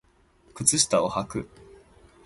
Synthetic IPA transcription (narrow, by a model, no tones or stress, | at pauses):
kɯ̟t͡sɨɕi̥t̪aohakɯ̟